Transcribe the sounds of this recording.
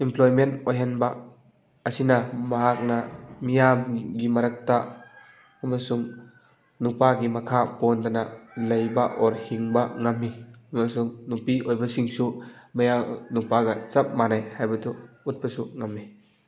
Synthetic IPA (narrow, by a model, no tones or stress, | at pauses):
implɔjmentojɦenba | ɐsinɐmɐɦak̚namijamɡimɐɾɐk̚taː | masuŋ | nupaɡimɐkʰapondanalɐjbaʔɔɾhiŋbaŋamːiɐmasuŋnupiʔojbɐsiŋsumɐjanupaɡɐt͡ʃɐp̚manajhajbɐtʰuut̚basuŋamːi